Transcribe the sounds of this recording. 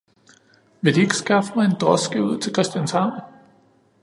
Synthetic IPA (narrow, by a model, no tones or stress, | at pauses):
ʋe̝d̥ie̝ɡ̥əsɡ̥ɑ̈fəmɑ̈ɪe̝nd̥ʁɒsɡ̥iuð̞̰ˠt͡sʰe̝lkʰʁɛsd̥jænshɑ̈ʊ̰n